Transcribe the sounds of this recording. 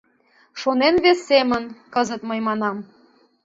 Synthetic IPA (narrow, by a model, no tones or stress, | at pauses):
ʃonenβesːemə̆nkəzət̪məjmɑnɑm